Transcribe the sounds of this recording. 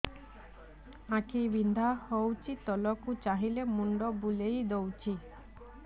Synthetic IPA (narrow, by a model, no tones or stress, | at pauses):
ãkibind̪ʱahowt͡ʃʰit̪ɔlɔkut͡ʃaɦilemuɳɖɔbulejd̪owt͡ʃʰi